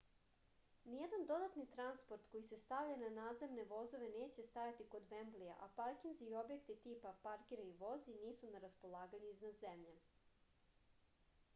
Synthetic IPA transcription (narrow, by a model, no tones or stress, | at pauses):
nijed̪and̪o̞d̪at̪nit̪ɾanspo̞ɾt̪ko̞jise̞st̪aʋʎananaːd̪ze̞mne̞ʋo̞zo̞ʋe̞ne̞ːt͡ɕe̞st̪ajat̪iko̞d̪ʋe̞mblija̰ʔapaɾkinzio̞bje̞kt̪it̪iːpapaɾkiɾaiʋo̞ziniːsunaɾaspo̞lˠaːɡaɲuiznad̪ze̞mʎe